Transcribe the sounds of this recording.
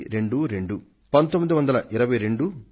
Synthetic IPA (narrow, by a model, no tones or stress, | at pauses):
ɾe̞ɳɖuɾe̞ɳɖu | pɐnt̪omːid̪iʋɐnd̪ɐlɐʔɪɾɐʋɐjɾe̞ɳɖu